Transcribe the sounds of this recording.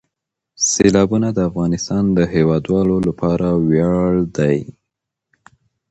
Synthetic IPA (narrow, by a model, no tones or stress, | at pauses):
selɑbunad̪əafɣɑnɪst̪ɑnd̪əɦewɑd̪wɑlolapɑɾawjɑɭd̪aj